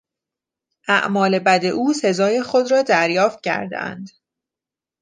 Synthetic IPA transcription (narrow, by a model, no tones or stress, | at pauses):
ʔæ̰ʔmɒːle̞bæd̪e̞ʔuːse̞zɒːje̞xod̪ɾɒːd̪æɾjɒːft̪̚cʰæ̰ɾd̪ḛʔæ̰nd̪